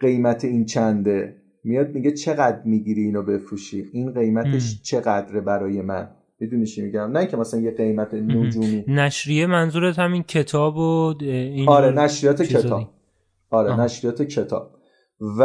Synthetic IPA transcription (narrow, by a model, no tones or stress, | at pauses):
ɢe̞jmæt̪ʰe̞int͡ʃʰænd̪e | mijɒːd̪̚miɡet͡ʃʰe̞ɣæd̪ɾmiɡiɾiiːnobe̞fɾuːʃiinɢe̞jmæt̪ʰeʃt͡ʃʰe̞ɣæd̪ɾebæɾɒːje̞mæ̰n | mid̪unit͡ʃʰimiɟæmnæĩŋcʰemæsælænjeɢe̞jmæt̪ʰenod͡ʒuːmiːnæʃɾijemænzuːɾet̪hæmincʰe̞t̪ʰɒːboiɒɾenæʃɾijɒːt̪ʰekʰeɒːb̥̚ | ɒːɾenæʃɾijɒːt̪ʰecʰe̞t̪ʰɒ̰ːb̥̚ | v